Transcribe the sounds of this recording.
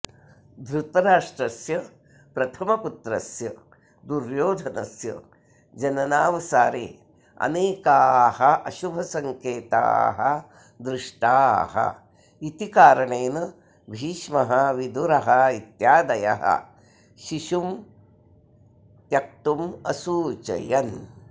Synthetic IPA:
d̪ɾut̪ɐɾaːʂʈɾɐsjɐ | pɾɐt̪ʰɐmɐput̪ɾɐsjɐ | d̪uɾjoːd̪ʱɐnɐsjɐ̰ | d͡ʒɐnɐnaːʋɐsaːɾḛː | ɐ̰neːkaːhɐʔɐʃubʱɐsɐŋkeːt̪a̰ːɦɐ | d̪ɾɪʂʈaːɦɐ̰ | it̪ikaːɾɐɳeːnɐ | bʱiːʃmɐɦɐʋid̪uɾɐɦɐit̪jaːd̪ɐjɐ̰ɦɐ̰ | ʃiʃum | t̪jɐk̚t̪umɐsuːt͡ʃɐ̰jɐn

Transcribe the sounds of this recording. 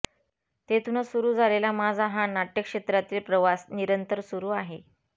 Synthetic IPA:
t̪et̪unəsuɾuːd͡zʱalelamad͡zʱaɦãnaʈjəkʂet̪ɾat̪iːlpɾəʋasniɾənt̪əɾsuɾuːaɦe

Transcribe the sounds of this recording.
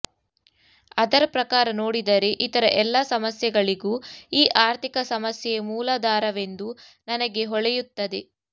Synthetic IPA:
ɐd̪ɐɾɐpɾɐkaːɾɐno̞ːɽid̪ɐɾeʔit̪ɐɾɐʔɛlːasɐmɐsjɛɡɐɭiɡuːiːʔaːɾt̪ʰikɐsɐmɐsjɛjɐmuːlɐd̪aːɾɐʋe̞nd̪u | nɐnɐɡe̞ɦɔɭɛjut̪ːɐd̪e̞

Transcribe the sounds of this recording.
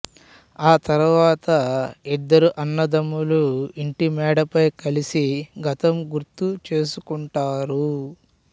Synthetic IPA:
aːt̪ɐɾuʋaːt̪ɐid̪ːɐɾuʔɐnːɐd̪ɐmːuluiɳʈimɛːɽɐpɐjkɐlisiɡɐt̪ɐmɡuɾt̪ut͡ʃe̞ːsukuɳʈaːɾu

